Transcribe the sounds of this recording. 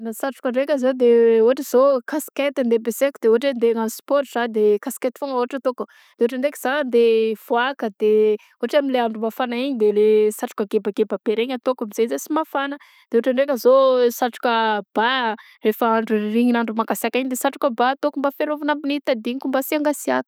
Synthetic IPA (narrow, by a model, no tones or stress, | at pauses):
nasaʈ͡ʂu̥kəɳɖ͡ʐekʲəzod̪euɦaʈ͡ʂiz̥okasket̪ind̪ebesekud̪euɦaʈ͡ʂend̪eŋanuspɔɾz̥ad̪ekasket̪i̥foŋəoɦaʈ͡ʂat̪oku | d̪̥eoʈ͡ʂaɳɖ͡ʐekizanənd̪ev̥oakəd̪̥e | uɦaʈ͡ʂamileaɳɖ͡ʐumafanaiɲid̪elesaʈ͡ʂu̥kəɡebaɡebabeɾeɲat̪okamizezesimafanə | d̪̥eoaʈ͡ʂaɳɖ͡ʐekʲəzosaʈ͡ʂu̥kəb̥a | refaaɳɖ͡ʐuriɲinaɳɖ͡ʐumaɡasiakiɲid̪esaʈ͡ʂu̥kəbat̪okumbafeɾovanambinit̪ad̪iɲikumbasiaŋɡasiakə̥